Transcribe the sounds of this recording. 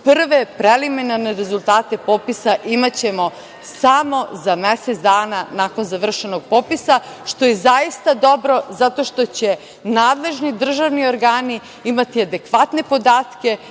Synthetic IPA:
pr̩ʋepɾeliminaɾneɾe̞zulˠt̪aːt̪e̞po̞pisaʔimat͡ɕe̞mo̞ | samo̞zameset̪d̪aːnanaːko̞nzaʋr̩ʃe̞noɡ̚popisa | ʃt̪o̞jezaist̪ad̪o̞bɾo̞zat̪o̞ʃt̪o̞t͡ɕe̞ | naːd̪le̞ʒnid̪r̩ʒaʋnioɾɡaːni | imat̪iad̪e̞kʋat̪ne̞po̞d̪aːt̪ke̞

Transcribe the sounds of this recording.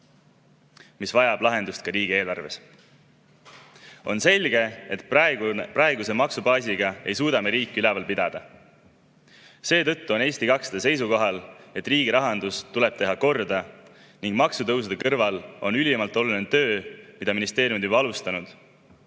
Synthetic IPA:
misvɑjɑb̥lɑɦe̞nd̪ust̪̚kɑɾiːɡie̞ːlɑrve̞s | o̞̰nse̞lʲɡe̞et̪ɑeɡprɑe̞ɡuse̞mɑksubɑːsiɡ̥ɑe̞̰jsuːd̪ɑmeɾiːkːˑiylɛvɑlpid̪ɑd̪̥ɑ | se̞ːt̪ɤt̪ːuo̞ne̞ːsʲt̪ikɑksd̪̥ese̞jsuko̞ɦɑle̞t̪ːˑriːɡiɾɑɦɑnd̪̥ust̪ule̞b̥̚t̪e̞ɦɑko̞rd̪ɑ | niŋɡ̥mɑksut̪ɤws̬ud̪̥ekɤrvɑlo̞̰nylʲimɑlt̪ːˑo̞lunund̪ːø̞ːmid̪̥ɑminist̪e̞ːɾʲjumd̪jubɑɑlust̪ɑnud̪̥

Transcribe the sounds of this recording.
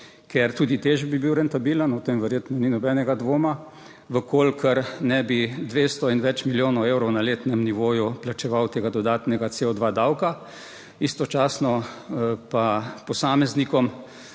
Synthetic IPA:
keɾt̪uːd̪it̪eʒbibiwɾɛnt̪abiːlənɔt̪emʋɛɾjeːt̪nɔninɔbɛːnɛɡad̪ʋoːma | ʋəkoːlkʰəɾnɛbid̪ʋeːst̪ɔinʋɛt͡ʃmiljoːnɔwewɾɔwnaleːt̪nɛmniʋoːjuplat͡ʃɛʋawt̪eːɡad̪ɔd̪aːt̪nɛɡaseːɔd̪ʋaːd̪awka | ist̪ɔt͡ʃaːsnɔ | papɔsaːmɛznikɔm

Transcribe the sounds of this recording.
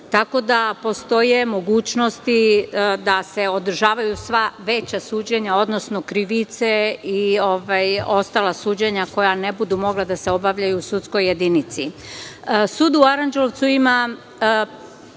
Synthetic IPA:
t̪ako̞d̪apo̞st̪o̞je̞mo̞ɡuːt͡ɕnost̪id̪ase̞o̞d̪r̩ʒaːʋajusʋaʋe̞t͡ɕasuːd͡ʑe̞ɲao̞d̪nosno̞kɾiʋit̪seio̞ʋajo̞st̪alasuːd͡ʑeɲako̞janebud̪umo̞ɡlˠad̪aseo̞baʋʎajusut̪sko̞je̞d̪init̪si | suːd̪uaɾand͡ʒeloʋt̪suima

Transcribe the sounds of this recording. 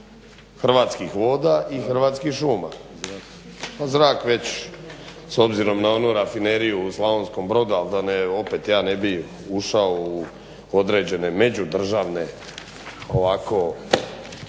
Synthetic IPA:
xr̩ʋaːt̪skixʋo̞ːd̪aːʔixr̩ʋaːt̪skiʃuːma̰ | pazɾaːkʋe̞t͡ɕ | so̞bziɾo̞mnao̞nuɾafine̞ɾijuslaonsko̞mbɾo̞d̪ualˠd̪aneo̞pe̞t̪jaːne̞bi | uʃaou | od̪ɾe̞ːd͡ʑe̞ne̞me̞d͡ʑud̪r̩ʒaʋne̞ | oʋako̞

